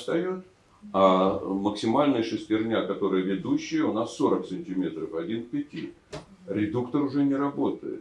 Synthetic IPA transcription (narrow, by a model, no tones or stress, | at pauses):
st̪ɐjot̪ | aməksʲɪmalʲnɨjəʂɨsʲtʲɪrnʲakɐt̪o̞ɾɨjəvʲɪd̪uɕːɪjəʊnasːo̞ɾək̚sɨnʲtʲɪmʲe̞t̪rəfɐdʲinpʲɪtʲi | ɾʲɪd̪ukt̪əɾʊʐɛnʲɪɾɐbo̞t̪əjɪ̰t̪